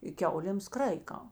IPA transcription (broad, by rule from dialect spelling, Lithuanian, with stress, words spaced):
ɪ ˈkʲɛʊlʲeːms ˈkrɐɪkɐ